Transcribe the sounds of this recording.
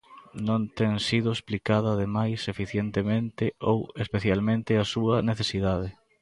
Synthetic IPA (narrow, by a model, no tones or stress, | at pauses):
nõnt̪ɛŋsiðʊesplikaðɐðemajsefiθjent̪emẽnt̪ɪowespeθjalmẽnt̪ɪasuɐneθesiðað̞e